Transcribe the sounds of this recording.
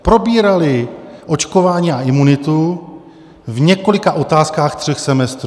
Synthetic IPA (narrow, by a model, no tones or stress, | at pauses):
pɾo̞biːɾalɪʔo̞t͡ʃko̞vaːɲiːaʔɪmunɪt̪u | vɲɛko̞lɪkaʔo̞t̪aːskaːxt̪r̝̥ɛxsɛmɛst̪ɾu